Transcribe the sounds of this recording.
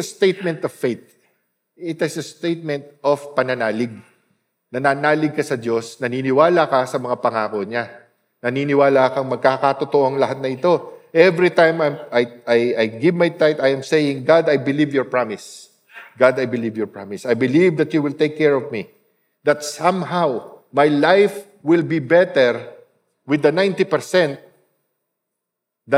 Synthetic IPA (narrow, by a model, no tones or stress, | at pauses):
ɐst̪ejt̪̚mɛnt̪ɔv̥fejt̪̚ | ɪt̪ɪsɐst̪ejt̪̚mɛ̃nt̪̚ʔov̥pɐnɐnaːlɪɡ̚ | nɐnaːnaːlɪɡ̚kɐsɐd̪o̞snɐniːnɪwaːlakɐsɐmɐŋapɐŋaːko̞ɲa | nɐniːnɪwaːlakɐŋmɐɡ̚kakɐt̪ot̪oʔoŋlɐɦat̪̚nɐɪt̪o̞ʔɛvɹit̪ãjmajmajʔajʔɐjɡɪvmajt̪ajt̪ɐjɐmsejɪŋɡad̪ɐjbɪlivjɔɹpɹamɪs | ɡad̪ɐjbɪlivjɔɹpɹamɪsɐjbɪlivd̪ɐt̪juwɪlt̪ejkːɛɹɔvmi | d̪ɐt̪sɐ̃mɦawmajlajf | wɪlbibɛt̪ɛɹ | wɪd̪ɐnajnt̪ipɛɹsɛ̃nt̪̚ | d̪ɐ